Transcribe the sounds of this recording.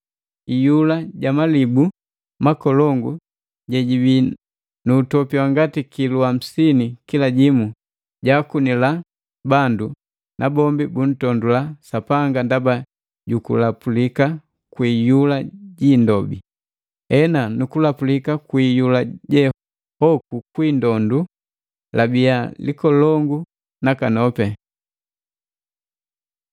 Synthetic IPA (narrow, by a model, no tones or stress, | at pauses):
ijulaɟamalibu | makɔlɔŋɡu | ɟɛɟibi | nuːtɔpiwaŋɡatikiluam̩sinikilaɟimu | ɟakunila | bandu | nʔabɔmbibun̩tɔndulasapaŋɡandaba | ɟukulapulika | kwiːjulaɟiːndɔbḭ | ɛnanukulapulikakwijulaɟɛ | hɔkukwindɔndu | labijalikɔlɔŋɡu | nakanɔpɛ